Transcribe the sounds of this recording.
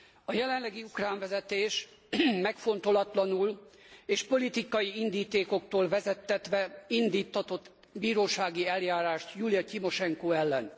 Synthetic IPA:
ɒjɛlɛnlɛɡiukraːɱvɛzɛt̪eːʃ | mɛkfo̞n̪t̪o̞lɒt̪lɒnuleːʃpo̞lit̪ikɒjiind̪iːt̪eːko̞kt̪oːlvɛzɛt̪ːɛt̪ʋɛind̪iːt̪ʰːɒt̪o̞t̪ː | biːɾoːʃaːɡiɛljaːɾaːʃt̪julijɒcimo̞ʃɛŋkoːɛlːɛn

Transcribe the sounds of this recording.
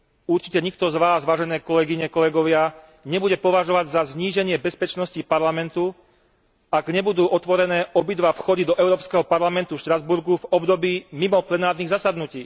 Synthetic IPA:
uɾt͡ʃi̥cɛɲik̚t̪ɔzʋaːzʋaːʒɛnɛːkɔlɛɡiɲɛkɔlɛɡɔʋɪa | ɲɛbuɟɛpɔʋaʒɔʋaɟzazɲiːʒɛɲɪɛbɛspɛt͡ʃnɔscipaɾlamɛnt̪u | aɡɲɛbud̪uːʔɔt̪ʋɔɾɛnɛːʔɔbid̪ʋafxɔd̪id̪ɔʔɛʊɾɔːpskɛɦɔpaɾlamɛnt̪ufʃt̪ɾazbuɾɡuvɔbd̪ɔbiːmimɔplɛnaːɾniːɣzasad̪nuciː

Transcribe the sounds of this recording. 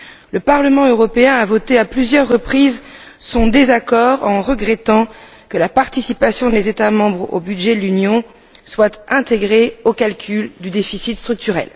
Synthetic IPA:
ləpaʁləmɑ̃øʁɔpeɛ̃avɔt̪eaplyzjœʁːəpχizsɔ̃d̪ezakɔʁɑ̃ʁəɡʁɛt̪ɑ̃ | kəlapaʁt̪isipasjɔ̃d̪ezet̪amɑ̃bʁo̰byd̪ʒɛd̪əlynjɔ̃ | swat̪ɛ̃t̪eɡʁeokalkʲʰyld̪yd̪efisit̪st̪χyk̚t̪yʁɛ̰l

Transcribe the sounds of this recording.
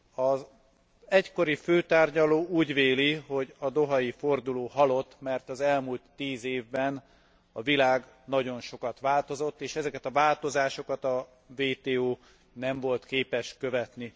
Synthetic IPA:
ɒz | ɛcko̞ɾiføːt̪aːrɟɒloːuːɟveːliɦo̞ɟɒd̪o̞ɦɒjiford̪uloːɦɒlo̞t̪ːmɛrt̪ɒzɛlmult̪ːiːzeːvbɛn | ɒvilaːɡ | nɒɟo̞nʃo̞kɒt̪ʋaːlt̪o̞zo̞t̪ːeːʃɛzɛkɛt̪ɒvaːlt̪o̞zaːʃo̞kɒt̪ɒ | veːt̪eːoː | nɛɱvo̞lt̪keːpɛʃkø̞vɛt̪ni

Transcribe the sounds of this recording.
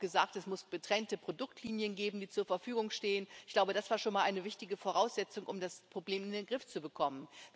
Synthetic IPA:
ɡ̥əza̰ːk̚tɛsmʊsɡ̥ətʁ̥ɛntəpʁ̥odʊktʰliːnjənɡeːbm̩diːt͡suːɐfɛɐfyːɡʊŋʃteːənɪɪçɡ̥laʊbədasv̥aːɐʃoːnmaːlʔaɪnəvɪçtɪɡəfoʁaʊsz̥ɛt͡sʊŋʔʊmdaspʁ̥obleːmɪndeːnɡʁɪft͡subəkʰɔmən

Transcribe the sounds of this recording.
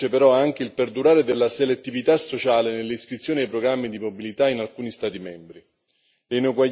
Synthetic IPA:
epeɾɔaŋk̟eilperd̪uɾaːɾed̪elːaselet̪ːivit̪asot͡ʃaːlenelːeiskɾit̪sːjoːniajpɾoɡɾamːid̪imobilit̪ainalkuːnist̪aːt̪imɛmbɾi | einokwa

